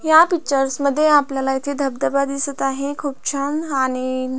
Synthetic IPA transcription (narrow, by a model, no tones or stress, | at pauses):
japik̚t͡ɕəɾsməd̪ʱːjeapljalait̪ʰed̪ʱəb̚d̪əbad̪d̪isət̪aɦekʰuːp̚t͡ɕʰanaɽ̃i